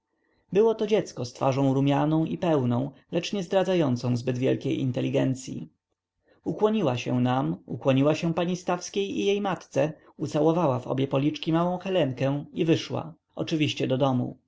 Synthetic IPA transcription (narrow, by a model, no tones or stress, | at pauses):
bɘwɔt̪ɔd͡ʑɛt̪skɔst̪faʐɔ̃w̃ɾumʲjanɔ̃w̃ipɛwnɔ̃w̃lɛt͡ʂɲɛzd̪ɾad̪zajɔnt̪sɔ̃w̃zbɘd̪vʲjɛ̰lkʲejḭnt̪ɛlʲːiɡɛnt̪sʲjḭ | ukwɔɲiwaɕɛ̰̃namṵkwɔɲiwaɕɛ̃paɲist̪afskʲejḭjejmat̪t̪sɛ | ut̪sawɔvawavɔ̰bʲjɛpɔlʲit͡ʂkʲimawɔ̃w̃xɛlɛŋkɛ̃ivɘʂwa̰ | ɔ̰t͡ʂɘvʲiɕt͡ɕɛd̪ɔd̪ɔmṵ